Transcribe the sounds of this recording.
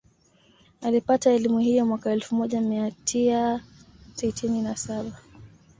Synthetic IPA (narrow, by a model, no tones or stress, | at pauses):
alipataɛlimuhijɔmwakaɛlfumɔʄamiatʰisa | sitininasaɓa